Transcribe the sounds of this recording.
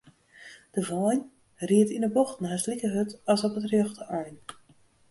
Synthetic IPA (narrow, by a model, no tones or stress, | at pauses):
d̥əvɔjn | riətinəbɔxtn̩ɦaslikəɦøtɑsɔpətrjɔxtəœjn